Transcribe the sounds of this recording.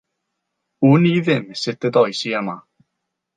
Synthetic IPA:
uniðɪmsɪtədɔjsiəma

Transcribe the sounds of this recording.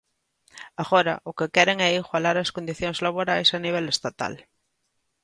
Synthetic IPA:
aɣoɾa̰ʔʊkekɛɾeŋɛiɣwalaɾaskond̪iθjoŋzlaβ̞oɾajsaniβ̞ɛlest̪at̪a̰l

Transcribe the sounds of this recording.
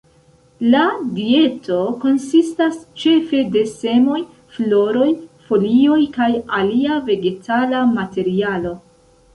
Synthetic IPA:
ladie̞to̞ko̞nsistast͡ʃe̞fe̞de̞se̞mo̞j | flo̞ɾo̞jfo̞lio̞jkajaliave̞ɡe̞tʰalamate̞ɾialo̞

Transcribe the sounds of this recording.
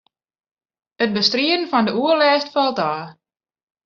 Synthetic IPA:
ət̚bəstriən̩fɔndəʔuərlɛːstfɔlˠtaː

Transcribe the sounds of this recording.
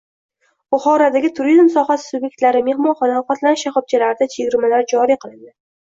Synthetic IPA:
bʊχɒɾad̪aɡʲɪt̪ʰʊɾizmsɒχasɪ̥subje̞k̚ʲt̪laɾɪme̞hmɒnχɒnafat̪lanɪʃaχɒb̚t͡ʃʰalaɾɪd̪at͡ʃʰeɡʲɪɾmalaɾd͡ʒɒɾiqʰɨlˠɪnd̪ɪ

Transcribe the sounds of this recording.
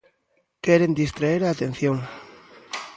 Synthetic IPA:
keɾend̪ist̪ɾaeɾaːt̪en̟θjoŋ

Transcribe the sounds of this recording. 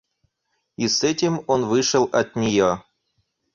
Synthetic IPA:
isɛtʲɪmonvɨʂəlˠɐt̪ʲnʲɪjo

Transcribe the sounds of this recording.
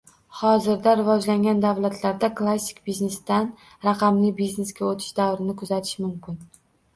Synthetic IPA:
hɒzɪɾd̪aɾɪvɒd͡ʒlaŋɡʲand̪avlat̪ʰlaɾd̪aklˠasːɪ̥kʲbizne̞st̪an | ɾaqʰɑmlɪbizneskʲaot̪ʰɪ̥ʃd̪awɾɪnɪkʰʊzat̪ʰɪ̥ʃmʊmkʲɪn

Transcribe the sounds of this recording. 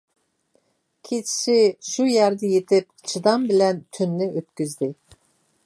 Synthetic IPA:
kʲʰet͡ʃʰi̥ʃɪʃujæɾd̪ɛjet̪ʰɪp̚t͡ʃʰɨd̪ɑmbɪlɛnt̪ʰynːɪʔøt̪̚kʲyzd̪ɪ

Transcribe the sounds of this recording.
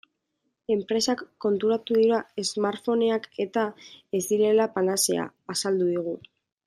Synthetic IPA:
e̞mpɾe̞sakːo̞nt̪uɾat̪uðiɾae̞zmaɾfo̞ne̞ake̞t̪ae̞zd̪iɾe̞lapanase̞̰a̰ːsald̪uðiɣ̞u

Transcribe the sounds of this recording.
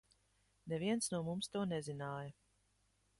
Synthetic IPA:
nɛviɛnsnuɔmumst̪uɔnɛzinaːjɐ

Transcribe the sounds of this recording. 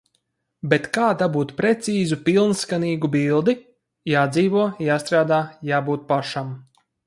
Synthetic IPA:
bet̪kaːd̪abuːt̪pɾɛt̪siːzupilˠnskaniːɡubilˠd̪i | jaːd̪ziːvuɔjaːst̪ɾaːd̪aːjaːbuːt̪̚paʃam

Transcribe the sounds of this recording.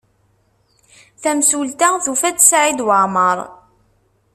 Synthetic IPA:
θæmsult̪aθufæt͡s̪ːsʕid̪wəʕməɾˤ

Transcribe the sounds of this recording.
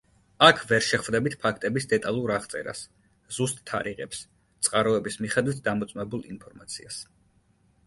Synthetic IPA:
akʰvɛɾʃɛχvd̪ɛbit̪ʰpʰakʰt̪ʼɛbisd̪ɛt̪ʼalˠuɾaχt̪sʼɛ̰ɾa̰s | z̥ust̪ʼt̪ʰːa̰ɾiʁɛ̰ps | t̪sʼqʼaɾɔɛbismiχɛd̪wit̪̚ʰd̪amɔt̪sʼmɛbulˠinpʰɔɾmat̪sʰias

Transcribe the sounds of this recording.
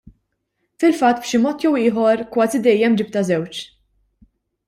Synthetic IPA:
fɪlfɐt̪ːbʃɪmɔːt̪jɛwɪːɦɔɾkwɐːzid̪ɛjːɛmd͡ʒɪp̚t̪ɐzɛwt͡ʃ

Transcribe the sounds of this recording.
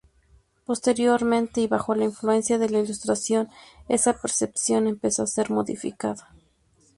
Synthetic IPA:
po̞st̪e̞ɾjo̞ɾmẽ̞nt̪e̞iβaxo̞lainflue̞nsjaðe̞lailust̪ɾasjo̞ne̞̰sape̞ɾse̞psjo̞ne̞mpesoase̞ɾmo̞ðḭfḭkaða

